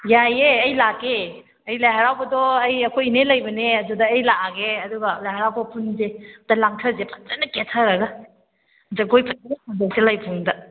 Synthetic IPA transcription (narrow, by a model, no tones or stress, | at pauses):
jajeɐjlake | ɐjlajɦaɾawbɐdɔɐjɐkʰojinelɐjbɐneɐdudɐːjlaaɡeɐduɡɐlajhaɾawbɐpʰunzetalaŋtʰɐɾzepʰɐ̥tɐnɐketʰaɾɐɡɐ | zaɡojpʰɐt̚sɔŋbok̚selajbʰuŋdɐ